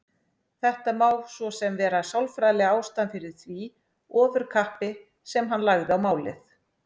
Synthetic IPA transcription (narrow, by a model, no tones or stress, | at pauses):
θɛht̪amaːwlsvɔsɛmvɛːɾasawlfɾajlɪaːwst̪anfɪɾɪɾ̥θvi | ɔːvʏɾ̥kʰahpɪ | sɛmɦanːlaɣðɪawmaːwlɪ̰θ